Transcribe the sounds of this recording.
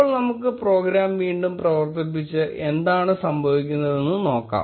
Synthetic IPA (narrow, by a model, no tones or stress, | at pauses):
ɭnɐmukːɨpro̞ːɡɾaːmʋiːɳɖumprɐʋɐrt̪ɐp̬ːit͡ɕːɨʔe̞nd̪aːɳɨsɐmbʱɐʋikʲːunːɐðe̞nːɨno̞ːkːa̰ː